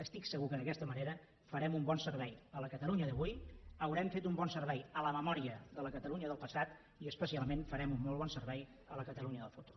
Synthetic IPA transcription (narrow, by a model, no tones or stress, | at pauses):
əst̪iksəɣukəðəkɛst̪əməneɾə | fəɾɛmumbɔnsərβ̞ɛjələkət̪əluɲəðəβujəwɾɛmfet̪umbɔnsəɾβɛjələməmɔɾiəðələkət̪əluɲəðəlˠpəsat̪ | iəspəsialˠmenfəɾɛmumːɔlˠβɔnsəɾβɛj | ələkət̪əluɲəðəlˠfut̪u̥r